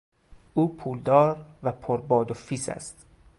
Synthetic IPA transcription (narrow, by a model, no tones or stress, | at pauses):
ʔuːpʰuːld̪ɒːɾvæpʰoɾbɒːd̪ofiːsæ̰st̪